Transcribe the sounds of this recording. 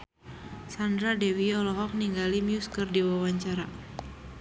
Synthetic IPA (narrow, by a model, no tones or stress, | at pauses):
sandɾadɛwiɔlɔɦɔk̚niŋɡalimjuskərdiwawaɲt͡ʃaɾa